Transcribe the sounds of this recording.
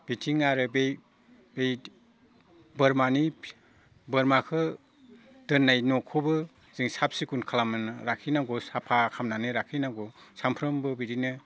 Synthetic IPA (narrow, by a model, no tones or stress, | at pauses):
b̥itʰiŋaɾɯbej | bej | bɯɾmani | bɯɾmakʰɯ | d̥ɯnːajnɔkʰɔbɯ | z̥iŋsap̚sikunkʰalamɯnɯɾakʰinaŋɡɔsapʰakʰamnanɯɾakʰinaŋɡɔsampʰɾɯmbɯbiɾinɯ